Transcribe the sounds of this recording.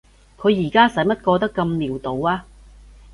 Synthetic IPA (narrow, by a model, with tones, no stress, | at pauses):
kʰɵ˨˧ɥjiː˨˩kaː˥sɐ˨˥jmɐ˥t̚kɔː˧t̪̬ɐ˥kːɐ˧mliː˨˩wt̪o˨˧waː˧